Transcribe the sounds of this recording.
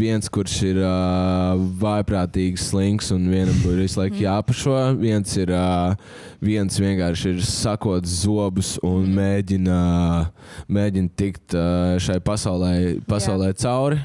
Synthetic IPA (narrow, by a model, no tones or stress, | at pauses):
ʋiɛnskuɾsiɾ | vajpɾaːt̪iːɡsːlˠiŋksʊnviɛnambuːʋislˠajkjaːpɐʃuɔviɛnsiɾ | viɛnsʋiɛŋkaːɾʃiɾsakuɔt̪szuɔbusunmeːɟʲin | meːɟʲint̪ikt̪ʃajpasaʊlˠɛjpasaʊlˠɛːt̪sawɾi